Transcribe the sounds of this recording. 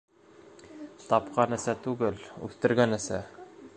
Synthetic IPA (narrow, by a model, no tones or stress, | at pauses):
t̪ɑpqɑnɘ̆sæt̪ʉɡɘlʉ̰θt̪ɘ̆ɾɡænɘ̆sæ̰